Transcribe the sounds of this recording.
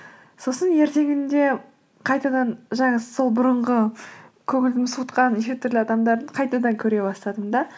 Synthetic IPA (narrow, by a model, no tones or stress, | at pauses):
so̞sənje̞ɾt̪e̞ŋɪnd̪e̞ | qʰɑjt̪ɑd̪ɑɴʒɑɴɑso̞lˠbʊɾəɴʁəkʲʰɵŋɪld̪ɪmsut̪qɑnʃet̪ʰʏɾlɪɑd̪ɑmd̪ɑɾd̪əɴqʰɑjt̪ɑd̪ɑŋkʲʰɵɾe̞bɑst̪ɑd̪əmd̪ɑ